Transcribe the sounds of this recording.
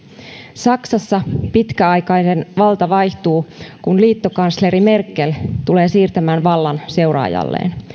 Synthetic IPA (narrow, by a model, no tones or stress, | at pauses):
sɑksɑsːɑpit̪kæɑjkɑjnenʋɑlt̪ɑʋɑjçt̪uːkunliːt̪ːo̞kɑnsleɾime̞rkːelt̪ule̞ːsiːrt̪æmæːnʋɑlːɑnse̞wrɑ̰ːjɑ̰lːḛːn